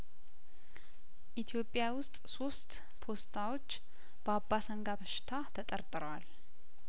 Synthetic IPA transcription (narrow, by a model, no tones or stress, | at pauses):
ʔit̪ʰjo̞pʼːjawʊst̪ʼso̞st̪ | pʰo̞st̪ʰawo̞t͡ʃː | b̥əabːasəŋɡabəʃɪ̥t̪ʰat̪ʰət̪ʼəɾt̪ʼɨɾwal